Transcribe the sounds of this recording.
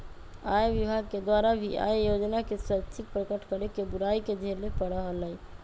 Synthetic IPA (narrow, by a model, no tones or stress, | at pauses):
ajʋibʱaɡ̚ked̪waɾabʱiʔa̰jjod͡ʒnakesətːt͡ʃʰik̚pɾəkəʈkəɾekebuɾaiked͡ʒʱelepəɽəɦələ